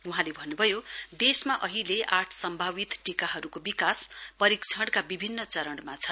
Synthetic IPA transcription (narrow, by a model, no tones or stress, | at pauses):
uɦãlebʱʌnːubʱʌjod̪esmaʔʌɦileʔaʈʰsʌmbʱabit̪ʈikaɦʌɾukobikaspʌɾikt͡sʰʌɽkabibʱinːʌt͡sʌɾʌɳɽmat͡sʰʌ